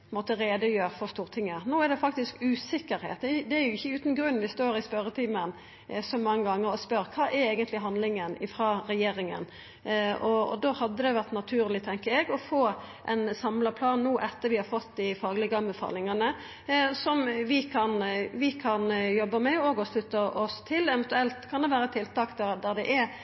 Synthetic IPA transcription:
mot̪əɾeːd̪əjøːɾfɔʁst̪uːʁt̪ʰɪŋːənoːæʁd̪ɛfɑk̚t̪ɪskʉːsɪkːəɾhɛ̰ːt̪ɛd̪ɛæɾjʊɪçːəʉːt̪n̩ɡɾʉnːʋɪst̪oːɾɪspœɾət̪ʰiːmən | sɔmɑŋːəɡɑŋːəɾɔspœɾkʰɑːʔɛɾeːɡənt̪lɪɦɑnd̪lɪŋənɪfʁɑːɾɛjeːɾɪŋə̰n | ɔɔ̰d̪oːhɑd̪ːəd̪ɛʋæʁt̪nɑt̪ʰʉːɾlɪt̪ʰɛŋkəɾɛɡɔfoː | ʔɛnsɑmləpʰlɑːnnuːʔɛt̪ːəʋɪhɑfɔt̪ːd̪ɪfɑːɡlɪɡəɑmbəfɑ̰ːlɪŋənə | sɔmʋɪkʰɑnʋɪkʰɑnjɔbːəmɛoːɡɔslʉt̪ːəʔɔst̪ʰɪlːɛʋɛnt̪ʉɛlt̪kʰɑnd̪ɛʋæːɾət̪ʰɪlt̪ɑːkd̪æd̪æʁd̪ɛʔɛ

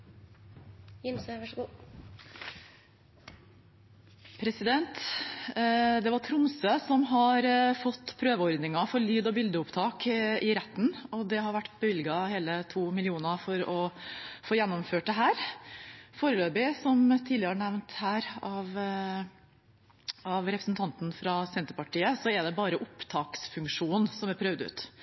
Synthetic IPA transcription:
jɪmsʋɑʂɡuː | pʰɾɛsɪd̪ɛnt̪ | d̪ɛʋɑɾʈ̪ʰɾʊmsøːsɔmɦɑɾfɔt̪ːpʰɾøːʋəɔɾd̪nɪŋɑfɔɾɭyːd̪ɔbɪld̪əʊpt̪ʰɑːkɪɾɛt̪ːn̩ɔd̪ɛhɑɾʋæʈːbəʋɪlɡɑheːlət̪ʰuːmɪlɪuːnɑfɔɾɔfoːjɛnːɔmføːʈ̚d̪ɛɦæːɾ | foːɾəløːbɪsɔmt̪ʰiːd̪lɪəɳæʋnt̪hæːɾɑʋ | ɑʋɾɛpɾəsn̩t̪ʰɑnt̪n̩fɾɑsɛnt̪əɾpɑʈʰiːəsɔɛd̪ɛbɑːɾəʔʊpt̪ʰɑːksfʉŋkʂuːnsɔmæɾpʰɾœʋd̪ʉ̰ːt̪

